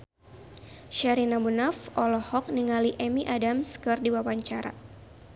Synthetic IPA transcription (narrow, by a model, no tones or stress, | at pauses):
ʃaɾinabunafʔɔlɔhɔk̚niŋaliʔɛmiʔadamskɨrdiwawaɲt͡ʃaɾa̰